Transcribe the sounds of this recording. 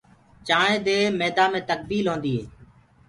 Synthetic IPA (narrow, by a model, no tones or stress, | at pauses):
t͡ʃaːɳẽːd̪eːmeːd̪aːmẽːt̪ək̚d̪iːlɦõːnd̪iːɦḛː